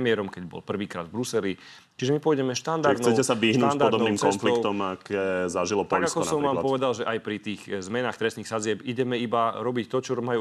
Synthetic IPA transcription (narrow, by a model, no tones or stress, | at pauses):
mɪɛɾɔmkɛɟbɔ̰lpr̩ʋiːkɾa̰ːd̪vbɾusɛli | t͡ʃiʒɛmipɔjɟɛmɛʃt̪and̪aɾd̪ɛcɛsaʋiɦnand̪aɔɾd̪ɔbnɔniːmkɔnfliɔkʊt̪ɔmakɛːzaʒilɔpɔaʎɡakɔsaɔmʋaːmlpɔʋɛd̪alʒɛʔajpɾit̪iːɣzmɛnaːxt̪ɾɛsniːxsad͡zɪɛpiɟɛmɛibaɾɔbict̪ɔt͡ʃɔmaju